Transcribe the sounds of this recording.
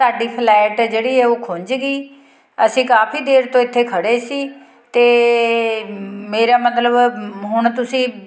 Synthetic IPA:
saːɖiːpʰlɛːɪʈd͡ʒeːɽiːɛːoːkʰʊ̃ɲd͡ʒɡiː | əsĩːkaːpʰiːd̪eːɾt̪õːɪt̪ʰːeːkʰəɽeːsiː | t̪eː | meːɾaːmət̪ləbɦʊɳ̃t̪ʊsĩː

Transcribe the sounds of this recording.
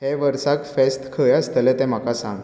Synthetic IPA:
ɦeʋəɾsakfest̪kʰəjəst̪əlɛ̃t̪ɛ̃m̤akasãŋ

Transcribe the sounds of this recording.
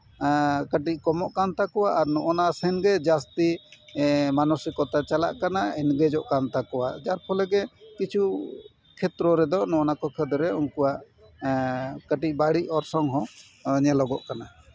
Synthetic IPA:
kəʈ̬ic̚kɔmɔʔkant̪akɔwaʔaɾnɔʔɔnasɛnɡɛd͡ʒast̪i | manɔsikɔt̪at͡ʃala̰ʔkanaɛnɡɛd͡ʒɔʔkant̪akɔwa̰ʔd͡ʒaɾpʰɔlɛɡɛkit͡ʃʰu | kʰɛt̪ɾɔɾɛd̪ɔʔnɔɔnakɔkʰəd̪ɾɛunkuwaʔ | kəʈic̚baɽic̚ɔɾsɔŋɦɔ̃ | ɲɛlɔɡɔʔkana

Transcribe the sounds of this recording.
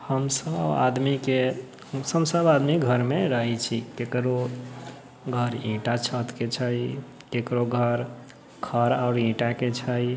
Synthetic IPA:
həmsəba̰d̪mike | səbsəbad̪miɡʱəɾmeɾəɦit͡ʃʰikekɾo | ɡʱəɾĩʈat͡ʃʰət̪ket͡ʃʰəj | kekɾoɡʱəɾ | kʰəɾaʊɾĩʈaket͡ʃʰəj

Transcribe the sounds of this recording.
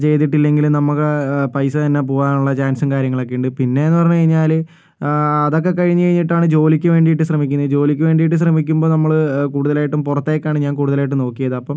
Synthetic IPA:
t͡ɕe̞jt̪̬ːiʈːilːe̞ŋɡilmnɐmːukːepɐjsɨt̪ɐnːep̬oːʋaːnuɭːɐt͡ɕaːnsumkaːɾjɐŋːɐɭokːejuɳɖɨpinːe̞enːɨpɐrɐɲːkɐɻiɲːaːl | ɐðo̞k̬ːe̞kɐɻiɲːɨkɐɻiɲːiʈːaːɳɨd͡ʑo̞ːlikʲːuʋe̞ːɳɖijiʈːɨɕrɐmikʲːunːɐðd͡ʑo̞ːlikʲːuʋe̞ːɳɖijiʈːɨɕ̬rɐmikʲːumbo̞ːnɐmːɐɭkuːɽuðɐlaːjiʈːumpurɐt̪ːeːkʲːaːɳɨɲaːnkuːɽuðɐlaːjiʈːɨmno̞ːkːijɐðɨɐpːɐm

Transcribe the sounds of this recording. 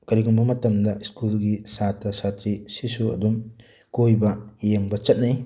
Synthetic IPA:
kɐɾiɡumbɐmɐtɐmdɐiskulɡisatɾɐsatɾisisuɐ̰dum | kojbɐjeŋbɐt͡ʃɐt̚nɐj

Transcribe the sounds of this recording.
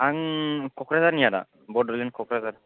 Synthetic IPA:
aŋkʰɔkɾazaɾnijada̰ | bɔdɔlinkʰɔkɾazaɾ

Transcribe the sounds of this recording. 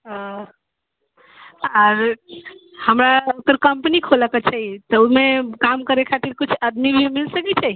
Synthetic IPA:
əɾ | həmɾaut̪ːəɾkəmpənikʰoləket͡ʃʰɛjt̪əumekamkəɾekʰat̪iɾkit͡ʃʰəd̪mibʱimilsəkɛt͡ʃʰɛj

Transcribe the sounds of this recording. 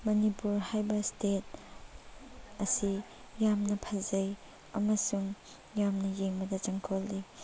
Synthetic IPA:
mɐnipuɾhajbɐstet̚ | ɐsi | jamnɐpʰɐzɐj | ɐmɐsuŋ | jamnɐjeŋbɐdɐt͡ʃɐŋkʰolːi

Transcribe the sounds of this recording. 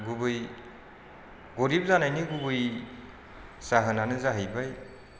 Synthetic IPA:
ɡubɯj | ɡɔɾip̚zanajniɡubɯj | saɦɯnanɯzaɦɯjbaj

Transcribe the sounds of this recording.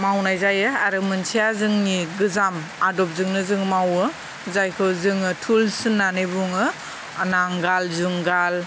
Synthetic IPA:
mawnajzajɯaɾɯmɯnsʰijazɯŋniɡɯzamadɔp̚zɯŋnɯzɯŋmawɯ | zajkʰɯwzɯŋɯtʰulsɯnːanɯbuŋɯ | anaŋɡalzuŋɡal

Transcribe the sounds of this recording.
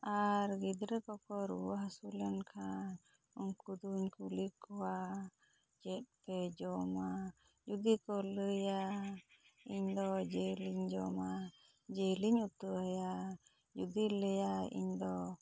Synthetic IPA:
aɾɡid̪ɾɛkɔkɔɾuwaɦsulɛnkʰa | uɲkud̪uɲkulikɔwa | d͡ʒɛt̪̚pɛd͡ʒɔma | d͡ʒud̪ikɔləja | iɲd̪ɔd͡ʒeliɲd͡ʒɔma | d͡ʒəliɲut̪uaja | d͡ʒud̪iləjaḭɲd̪ɔ

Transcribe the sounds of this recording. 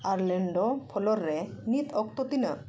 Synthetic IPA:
aɾleɳɖopʰɔlɔɾːenit̪ʰɔk̚t̪ot̪ina

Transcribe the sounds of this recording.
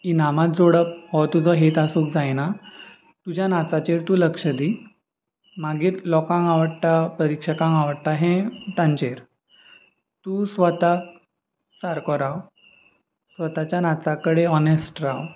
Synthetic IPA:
inamat̪̚d͡zoɽəp̚ɦɔt̪ud͡zɔɦet̪asũːkd͡zajna | t̪ud͡ʑjanat͡sat͡ɕeɾt̪uːləkʂəd̪i | maɡiːɾlɔkãŋɡaʋəɽʈapəɾikʂəkãŋɡaʋəɽʈ̪aɦɛ̃t̪ãɲt͡ɕeɾ | t̪usʋət̪a | t͡saɾkɔɾaw | sʋət̪at͡ɕjanat͡sakəɽeɔnesʈɾaw

